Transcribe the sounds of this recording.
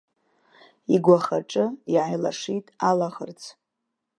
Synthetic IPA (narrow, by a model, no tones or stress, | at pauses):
iɡʷaχaʈ͡ʂʼɨiʕajla̰ʂitʼalaχərt͡sʰ